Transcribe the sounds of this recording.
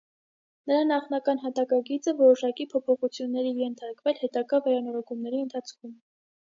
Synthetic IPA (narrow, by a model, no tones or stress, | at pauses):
nəɾɑnɑχnɑkɑn̪ɦɑt̪ɑkɑɡit͡səvɔɾɔʃɑkipʰɔpʰɔχut͡sʰjunːɛɾijɛnt̪ʰɑɾkvɛlhɛt̪ɑɡɑvɛɾɑnɔɾɔkumnɛɾiənt̪ʰɑt͡sʰkʰum